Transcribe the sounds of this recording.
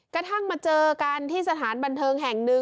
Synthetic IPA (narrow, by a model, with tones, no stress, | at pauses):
kɾa˧t̪ʰa˥˩ŋmaː˧t͡ɕɤː˧kaː˧nt̪ʰiː˥˩sa˧t̪ʰaː˩˦nba˧nt̪ʰɤː˧ŋɦɛ˨˩ŋnɯ˧